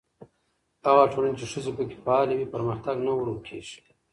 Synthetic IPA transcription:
aɣaʈʰolant͡ʃeʂuzepəke̥faːliwipɐɾməxt̪aɡnawɾokʰḛːʂ

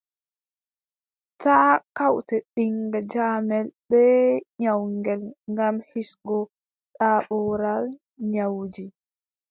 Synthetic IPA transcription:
taːkawtɛɓiŋɡad͡ʒaːmɛlɓɛɲawŋɡɛlŋɡamhisɡɔ | ɗaɓɔɾal | ɲawd͡ʒi

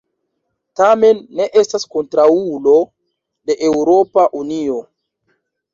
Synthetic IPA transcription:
tame̞nːe̞ʔe̞stasko̞ntɾaulo̞ | de̞ʔewɾo̞paʔunio̞

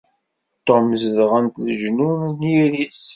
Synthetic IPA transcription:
t̪ːoməzðʁənt̪ðəʒnumniɾis

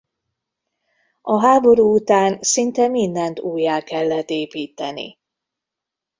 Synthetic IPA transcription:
ɒɦaːbo̞ɾuːut̪aːnsint̪ɛmind̪ɛnt̪uːjːaːkɛlːɛt̪eːpiːt̪ɛnḭ

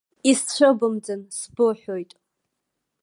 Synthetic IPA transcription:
ist͡ɕʷʰəbɨmd͡zɨnsbɨħojtʼ

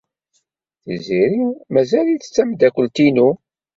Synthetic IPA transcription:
θəziɾiwmæzæliθət͡sːæmd̪ækʷːəlt̪inu

